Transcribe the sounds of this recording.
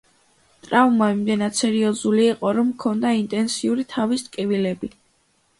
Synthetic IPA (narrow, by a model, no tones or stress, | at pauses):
t̪ʼɾavmaimd̪ɛnad̪̥sɛɾiɔzuliːqʼɔɾɔmkʰɔnd̪aint̪ʼɛnsiuɾit̪ʰavist̪ʼkʼivilɛbi